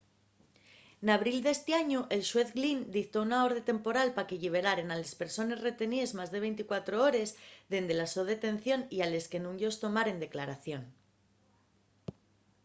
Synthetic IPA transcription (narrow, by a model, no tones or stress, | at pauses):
naβ̞ɾild̪e̞st̪eaɲuʔe̞lʃwe̞θɡlind̪ikt̪ounao̞ɾðe̞t̪e̞mpo̞ɾalpakeʎiβ̞e̞ɾaɾe̞nale̞spe̞ɾso̞ne̞sre̞t̪e̞nie̞zmazðe̞β̞e̞jnt̪ikwat̪ɾo̞oɾe̞zðe̞nd̪e̞lasoðe̞t̪e̞nθjo̞niale̞ske̞nũŋʝo̞st̪o̞maɾe̞nd̪e̞klaɾaθjo̞n